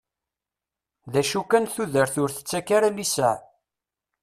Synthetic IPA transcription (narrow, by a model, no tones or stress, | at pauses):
ðæʃukænθuðəɾθʊɾθə̥t͡sːækːaɾalisæʕ